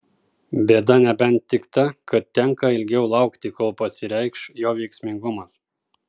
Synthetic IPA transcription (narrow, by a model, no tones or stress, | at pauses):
bʲeːd̪ɐnʲɛbʲɛnt̪ʲːɪkt̪ɐkɐt̪̚t̪ʲɛŋkɐɪlʲɡʲɛʊlˠɑˑʊkt̪ʲɪkolˠpɐsʲɪɾʲɛɪkʃjoːʋʲɛɪksʲmʲɪŋɡʊmɐs